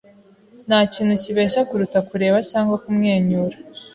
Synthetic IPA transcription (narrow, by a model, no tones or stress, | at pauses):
naːciːn̤̥huciβeːʃakuɾutakuɾe̞ːβacaːŋɡokumŋe̞ːɲuːɾa